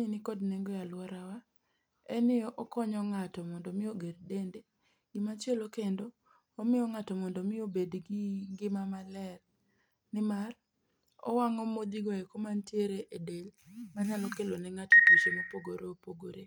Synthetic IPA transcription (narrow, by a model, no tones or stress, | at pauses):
ɲinɪkɔdneŋɡɔjalwɔɾawa | ɛnɪɔʔɔkɔɲɔŋatɔmɔndɔmɪoɡerdende | ɡɪmat͡ʃjɛlokendoː | mɪɔŋatɔmɔndɔmɪobedɡiŋɡɪmamalɛr | nɪmar | ɔ̰waŋɔmod̪iɡɔekomantjeɾeʔedelmanalɔkelonɛŋatotit͡ʃomepoɡoɾoopoɡoɾe